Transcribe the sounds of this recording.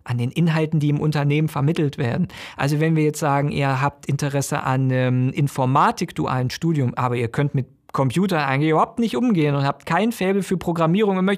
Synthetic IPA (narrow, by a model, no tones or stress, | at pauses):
ʔandeːnʔɪnɦaltn̩diːɪmʔʊntɐneːmənfɛɐmɪtl̩tv̥ḛːɐdn̩ʔa̰lzovɛnviːɐjɛt͡stz̥aːɡŋ̩ʔḭːɐɦaːp̚tʔɪntəʁɛsə̰ʔa̰nəmʔɪnfɔɐmaːtɪkd̥ṵʔa̰ːlnʃtuːdjʊmʔa̰ːbɐiːɐkʰœntmɪt̚ | kʰɔmpj̥uːtɐnʔa̰ɪɡŋ̩tlɪçybɐhaʊp̚tnɪçtʔʊmɡeːənʊnthaːp̚tkʰaɪnnfɛːbl̩fyːɐpʁ̥oɡʁamiːʁ̞ʊŋɐmœç